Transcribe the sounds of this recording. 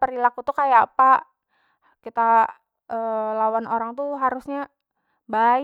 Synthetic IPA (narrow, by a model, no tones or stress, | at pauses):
pəɾilakut̪ukajapaʔ | kit̪a | əːlawanoɾaŋt̪uɦaɾusɲa | ba